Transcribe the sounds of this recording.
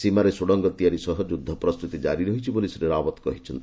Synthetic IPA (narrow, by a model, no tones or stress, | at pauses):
simaɾesoɽɔŋɡɔt̪ijaɾisɔɦɔd͡ʒud̪ʱːɔpɾɔst̪ut̪id͡ʒa̰ɾiɾɔɦit͡ʃʰibolisiɾeɾabɔt̪kɔ̰ɦit͡ʃʰɔnt̪i